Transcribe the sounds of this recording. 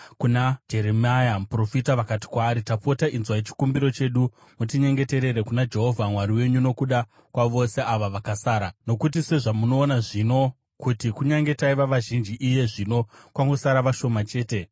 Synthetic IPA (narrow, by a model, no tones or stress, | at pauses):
kunad͡ʒe̞ɾemajamupro̞fitaʋakati̥kwaːɾitapo̞taʔinzwaet͡ʃi̥kumbiɾo̞t͡ʃe̞ɗu | mutiɲe̞ŋɡe̞te̞ɾe̞ɾe̞kunad͡ʒe̞ɦo̞vʱamwaɾiwe̞ɲuno̞kuɗa | kwaʋo̞se̞aʋaʋakasaːɾano̞kut̬ise̞ʐamuno̞ːnaʐino̞ | kutikuɲaŋɡe̞taiʋaʋaʒind͡ʒiʔije̞ʐino̞kwaŋɡo̞saɾaʋaʃo̞mat͡ʃe̞ːte̞